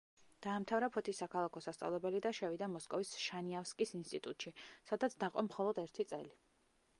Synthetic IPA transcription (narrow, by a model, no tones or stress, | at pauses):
d̪̥aːmt̪ʰavɾapʰɔt̪ʰisːakʰalˠakʰɔsast̪sʼa̰vlˠɛbɛlid̪aʃɛvid̪amɔskʼɔvisʃaniafskʼisinst̪ʼit̪ʼut̪ʼʃisad̪at̪sʰd̪aqʼɔmχɔlˠɔd̪ɛɾt̪ʰit̪sʼɛ̰li